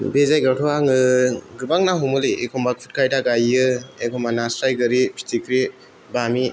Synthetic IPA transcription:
bezajɡawtʰɔwaŋɯɡɯbaŋnaɦɔmɯliekʰɔmbakʰu̥t̚kʰajtaɡajɯekʰɔmanasɾajɡɯɾipʰi̥tʰikʰɾi | bami

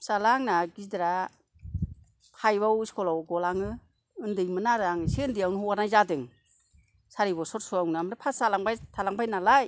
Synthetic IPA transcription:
salaŋnaɡidɾa | pʰajbawskʰɔlawɡɔlaŋɯ | ɯndɯjmɯnaɾaŋɯsiɯndijawnhuwaɾnajzadɯŋ | saɾibɔsɔtsuawnɯamɾapʰasalaŋbajtʰalaŋbʰajnalaj

